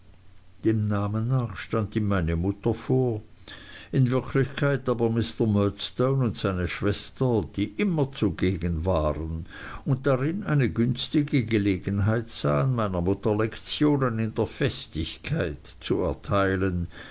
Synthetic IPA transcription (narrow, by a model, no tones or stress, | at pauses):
d̥eːmnaːmənːaːχʃtandiːmmaɪnəmʊtɐfoːɐ | ɪnvɪɐkʰlɪçkʰaɪtaːbɐmɪstɐmœtstoʊnʊntz̥aɪnəʃv̥ɛstɐd̥iːʔɪmɐt͡suɡeːɡənvaːʁən | ʊnt̚d̥aʁɪnʔaɪnəɡʏnstɪɡəɡəleːɡənɦaɪtz̥a̰ːanmaɪnɐmʊtɐlɛkt͡sjoːnənɪndeːɐfɛstɪçkʰaɪt | t͡suɛ̰ɐtʰaɪlən